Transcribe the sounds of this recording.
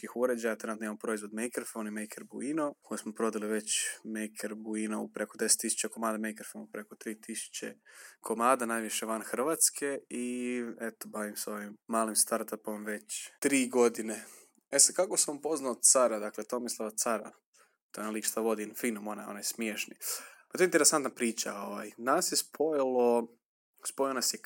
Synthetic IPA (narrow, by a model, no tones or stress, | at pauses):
kixuɾed͡ʑajat̪ɾenut̪oimampɾoizʋod̪mejkɾofonimejkʰeɾbuinokʰojusmopɾo̞d̪aliʋe̞t͡ɕmejkʰeɾbuinoupɾekod̪e̞se̥t̪ːisu̥t͡ɕeko̞maːd̪amejkɾofonupɾe̞ko̞t̪ɾiːt̪isu̥t͡ɕḛkʰo̞maːd̪anajʋiʃeʋanxr̩ʋaːt̪skʰe̞iet̪obaʋimso̞ʋimːaːlimst̪aɾt̪apo̞mʋe̞t͡ɕt̪ɾiːɡod̪ine | esad̪̚kakosaamupo̞znaot̪t̪saɾad̪aklet̪omislˠaat̪saɾa̰ | t̪ojenalikʃt̪aʋo̞d̪infiːnomonajo̰najsmjeʃnipḁt̪oeint̪eɾesant̪napɾiːt͡ɕa̰o̞ʋajnasjespʰo̞jlˠo | spojonasje